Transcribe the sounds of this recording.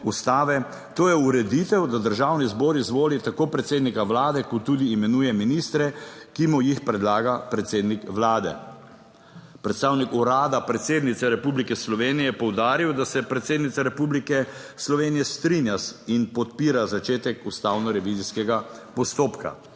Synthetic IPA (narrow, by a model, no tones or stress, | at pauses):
ust̪aːʋɛ | t̪oːjɛuɾɛd̪it̪ɛwd̪ad̪əɾʒawnizbɔːɾizʋoːlit̪akoːpɾɛt̪seːd̪nikaʋlaːd̪ɛkɔt̪ːuːd̪iːmɛnuːjɛminist̪ɾɛkimujixpɾɛd̪laːɡapɾɛt̪seːd̪nikʋlaːd̪ɛ̰ | pɾɛt̪st̪aːwnikuɾaːd̪apɾɛt̪seːd̪nit̪sɛɾɛpublikɛslɔʋeːnijɛjɛpɔwd̪aːɾiwd̪asɛpɾɛt̪seːd̪nit̪saɾɛpublikɛslɔʋeːnijɛst̪ɾinjasinpɔt̪piːɾazat͡ʃeːt̪ɛkust̪aːwnɔɾɛʋiziskɛɡapɔst̪oːpka̰